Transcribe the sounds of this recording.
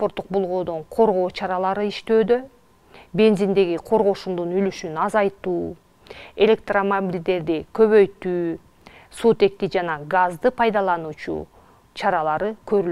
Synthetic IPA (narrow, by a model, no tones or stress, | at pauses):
spoɾt̪ːu̥q̚bolˠʁoːd̪oɴqʰo̞ɾʁo̞ːt͡ʃʰɑɾɑlˠɑɾɯiʃt̪øːd̪ø̞ | be̞nzind̪e̞ɡiqʰo̞ɾʁo̞ʃumd̪unylyʃynɑzɑjt̪uː | e̞lʲe̞k̚t̪ramabilʲd̪e̞ɾd̪ikʰø̞βø̞jt̪yː | sut̪e̞k̚t̪id͡ʒɑnɑɡazd̪ɯpʰɑjd̪ɑlˠɑnuːt͡ʃṵ | t͡ʃʰɑɾɑlˠɑɾɯkʰø̞ɾy